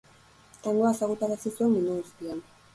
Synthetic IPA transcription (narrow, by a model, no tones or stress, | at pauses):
t̪aŋɡoaesaɣut̪aɾasisueminuɣust̪ian